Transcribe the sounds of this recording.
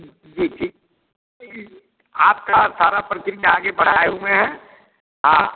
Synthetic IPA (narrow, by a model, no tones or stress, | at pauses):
d͡ʒiːʈʰiːk̚ | aːp̚kasaːɾapɾəkɾijaːɡebɐɽ̤aːeũmẽɦɛ | a